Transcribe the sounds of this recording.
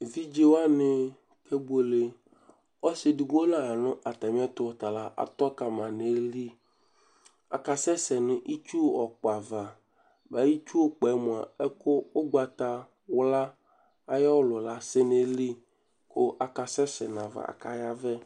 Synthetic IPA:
vi˦d͡ʒe˦wa˦nɪ˨ | ke˦bo˨le˨ | ɔ˦sɪ˨dɪ˨ɡo˦nã˨ja˨nʊ̃˦ʔa˨t̪a˨m˦a˦t̪ʊ˦wɔ˨t̪a˨la˨ʔa̰˨t̪ɔ˦ka˨mã˨ne˨˦li˦ | a̰˨ka˨sɛ˦sɛ˨nʊ̃˦ʔi˦t͡ʃu˦ɔ˨k͡pa˨va˨ | ba˨˦ji˦t͡ʃu˦o˦k͡pɛ˨˦mʊ̃˨a̰˨ɛ˦kʊ˦o˦ɡ͡ba˨t̪a˨ | wʊ˦la˦ | a˨ja˦wʊ˦lʊ˨la˨˦sɪ˦ne˨li˦ | kʊ˦ʔa˨ka˨sɛ˦sɛ˨nã˨va̰˨a̰˨ka˦ja˦vɛ˦

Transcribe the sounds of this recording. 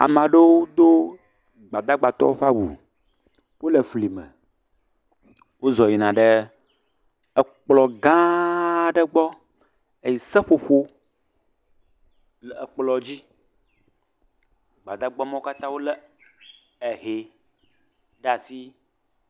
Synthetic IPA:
a̰˨mã˨ɖə˦wo˦d̪o˦ | ɡ͡ba˨d̪a˦ɡ͡ba˨t̪ɔ̰˦wo˦ɸa˦wṵ˨ | wo˦lə˨fli˨mə̰̃˨ | wo˦zɔ˨ji˨nã˨ɖə˦ | ə˨k͡plɔ˨ɡã˦ɖə˦ɡ͡bɔ˦ | e˨ji˨sə˦ɸo˨ɸo˦ | lɛ˨ə˨k͡plɔ˨d͡ʑi˦ | ɡ͡ba˨d̪a˦ɡ͡bɔ˦mɔ̃˦ka˦t̪ã˦wo˦lə˦ | e˨ɦe˨ | ɖa˨si˦

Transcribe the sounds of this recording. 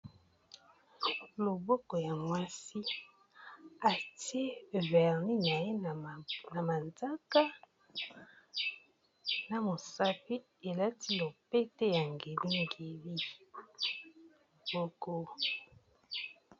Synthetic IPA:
lo˨bɔ˦kɔ˨ja˨mwa˦si˦ | a˨ti˦e˦vɛ˨ʁni˦na˨je˦˨na˨ma˨nda˦ka˦ | na˨mo˨sa˦pi˦ | e˨la˦ti˦lo˨pe˦te˦ja˨ŋɡe˨li˦ŋɡe˨li˦ | lbo˦ko˦

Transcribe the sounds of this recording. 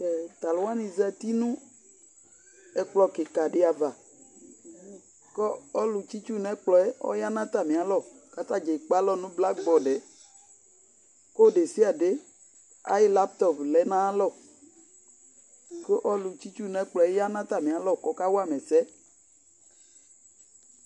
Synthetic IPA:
kɛ˨t̪a˨lwa˦ni˨za˦˨t̪i˦nũ˦ | e˨k͡plɔ˨ke˨ka˨ɖe˨a˨va˨ | kɔ˦ɔ˦lu˨t͡ʃi˦t͡ʃu˦nɛ̃˦k͡plɔ˨ɛ˦ɔ̰˦ja˦nã˦t̪a˦˨mẽ˨a˨lɔ˦˨ | ka˦t̪a˦d͡ʒe˨k͡pa˦lɔ˦nũ˦bla˦ɡ͡bɔ˨ɖe˨ | ko˦ɖe˨si˦a˨ɖe˦ | a̰˦ji˦la˦pt̪ɔ˨plɛ˨nã˦lɔ˦˨ | ke˦ʔɔ˦lu˨t͡ɕi˦t͡ʃu˦nɛ̃˦k͡plɔ˨e˦ja˦nã˦t̪a˦mẽ˨a˨lɔ˦˨kɔ˦ka˦wo˦a˦mẽ˨sɛ˦

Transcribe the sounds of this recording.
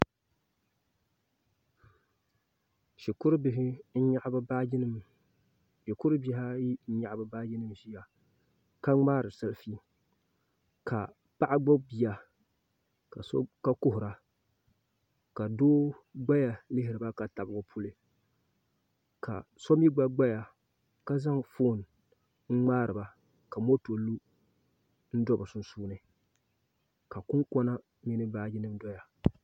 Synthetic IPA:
ʃi˨kʊ˦ɾɨ˦bɪ˨ɦɪ˦n̩˦ɲa˦ʔba˦bi˦nɨ˦m | ʃi˨kʊ˦ɾɨ˦bi˦ha˦ji˦n̩˦ɲa˨ʔbɨ˦baː˦ji˦nɨ˦mʒi˦ja˨ | ka˦ŋ͡maː˦ɾɨ˨sa˦lfi˦ | kʰa˨ | pa˦ʔa˦ɡ͡bo˦bi˨ja˨ | ka˨ska˦kʊ˦ɦʊ˨ɾa˨ | ka˨doː˦ | ɡ͡ba˦ja˨lɪ˦ɦɪ˨ɾɨ˨ba˦ka˨ta˨bʊ˨ɡʊ˦pʰu˦lɨ˨ | ka̰˨sɔ˦mi˦ɡ͡ba˦ɡ͡ba˦ja˨ | ka˦za˦ŋfo˦˨n˨ | ŋ̩˦ŋ͡maː˦ɾɨ˨ba˨ | ka˨mo˦to˨lu˦ | n̩˦dɔ˦bɨ˨sʊ˨nsuː˦nɨ˨ | ka˨kʊ˦ŋkɔ˦na˦ | mi˦nɨ˦baː˦d͡ʒɪ˦nɨ˦mdɔ˦ja˨

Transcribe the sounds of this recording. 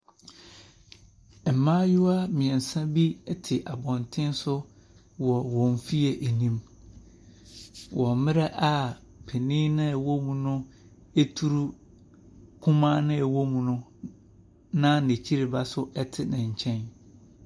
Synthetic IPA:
m̩˨mãː˦jʊ˦a˦mɪ̃˨ɛ˨n̩˨sã˦bi˦ɛ˦tʰɪ˨ʔa˨bɔ̃˨ntʰɪ̃˦n˦sʊ˦ | wɔ˨wɔ̃˨ɱ˨fi˦ɛ˨ʔe˨nĩ˦m | wɔ˨mɪ̃˦ɾa˦ʔa˦ | pʰe˨nĩ˦nɪ̃˦˨wo˦mũ˨nʊ̃˦ | e˦tʰu˦ɾu˦ | kʰʊ̃˦mã˦nɪ̃˦ɛ˨wo˦mũ˨nʊ̃˦ | nã˦ne˨t͡ɕʰi˦ɾɪ˨ba˦sʊ˦ʔɛ˦tʰɪ˨nã˨ɲ̩˨t͡ɕʰɛ̃˦n

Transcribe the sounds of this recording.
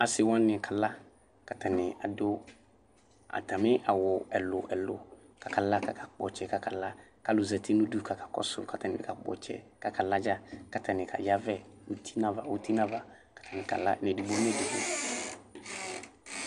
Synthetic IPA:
a˨sɪ˨wã˦nɪ̃˨kʰa˨la˦ | ka˨tʰa˨nɪ̃˨a˨do˦ | a̰˨ta˨mɪ̃˦ʔa̰˨wʊ˨ɛ˨lʊ̰˨ʔɛ˨lʊ̰˨ | ka˨kʰa˨la˦ka˨kʰa˨k͡pɔ̰˨t͡ʃɛ˨˦ka˨ka˨la˦ka˨lʊ˨zɛ˨tʰɪ˦nũ˦du˦ka˨kḁ˨kɔ̰˦sʊ̰˦ka˨ta˨nɪ̃˨ɪ˨ka˨k͡pɔ̰˨t͡ʃɛ̰˨ka˨ka˨la˦d͡ʒa˦ka˨tʰa˨nɪ̃˨kʰa̰˨ja˦vɛ˦u˦tʰi̥˦na˦va˨wu˦ti˦nã˦va˨ | kḁ˨tʰa˨nɪ̃˨ka̰˨la̰˦nɛ̃˨di˨bo˨˦m˦ɛ˦di˨bo˦

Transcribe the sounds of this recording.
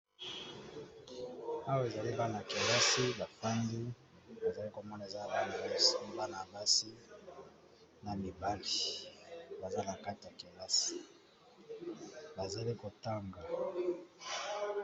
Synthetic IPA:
a˦wa˦e˨za˨li˦ba˦na˨ki˨la˦si˦ba˨fa˦ndi˦ | ba˨za˨li˦ko˨mɔ˦na˨e˨za˦a˨ba˦ni˨o˦si˦ba˦na˨ba˦si˦ | na˨mi˨ba˦li˨ | ba˨za˦na˨ka˦ti˨ja˨ki˨la˦si̥˨ | ba˨za˨˦li˦ko˨ta˦ŋɡa˨

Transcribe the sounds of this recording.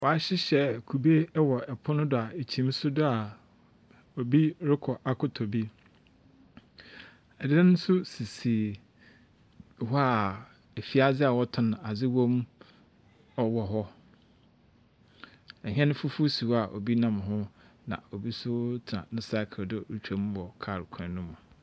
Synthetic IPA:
wɔ˨a˦ɕɪ˦ɕɛ˨kʰu˨be˦wɔ˨ɛ˨pʰʊ˦nʊ̃˦dʊ˨a˨e˨t͡ɕʰi˨˦m̩˦sʊ˦dʊ˦a˨ | o˨bi˦ɾɪ˦kʰɔ˨ʔa˨kʰʊ˦tʰɔ˨bi˦ | ɛ˨dɪ˦nʊ̃˦sʊ˦si˨si˨ | hɔ˦a˨ | e˨fi˦a˦d͡zɪ˦a˨wɔ˦tʰʊ̃˦ñ˨a˨d͡zɪ˦wõ˦m˦ | ɔ˦wɔ˨ɦɔ˦ | ɛ˨ɦɛ̃˦nʊ̃˦fu˦fu˦si˨wa˨ʔo̰˨bi˦nã˦mɦʊ̃˦ | nã̰˨o˨bi˦sʊ˦tʰɪ˨nã̰˨nʊ̃˦sa˦kʰɪ˨ldʊ˦ɾu˨t͡ɕᶣo˨m˦wɔ˨kʰa˦˨ɾʊ˨kʰã˨nũ˦m̃˨

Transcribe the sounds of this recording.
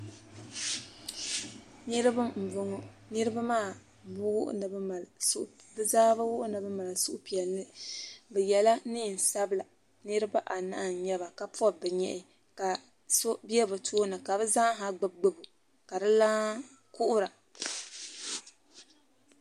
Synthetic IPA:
nɨ˦ɾɨ˦bɨ˦m̩˨vʊ˦ŋɔ˦nɨ˦ɾɨ˦ba˦maː˦˨ | bwʔnɨ˨bma˨lʔ | bɨ˦zaː˦ba˦wʊ˦ʔʊ˦nɨ˨bɨ˦ma˨la˨sʊ˦ʔʊ˦pi˨ɛ˨lnɨ˦bɛ˨jɛ˨la˦ni˦˨n̩˨sa˦bla˨ | nɨ˦ɾɨ˦ba˦ʔa˨na̰˦ʔɲɛ˦βa˨ka˨pɔ˦bɛ˨ɲɛ̰˨ʔɪ˨ | ka˨ | so˦bi˦ɛ˦bɨ˨tʰoː˦nɨ˨ka˨bɨ˦za˦ɦa˦ɡ͡bɨ˦b̚ɡ͡bɨ˦bu˨ | ka˨dɨ˦laː˦ | kʊ˦ʔʊ˦ɾa˨

